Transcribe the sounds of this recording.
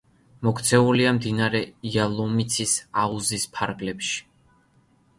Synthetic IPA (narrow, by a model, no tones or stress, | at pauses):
mɔkʰt̪sʰɛuliamd̪inaɾɛialˠɔmit̪sʰisauzispʰaɾɡlɛpʃi̥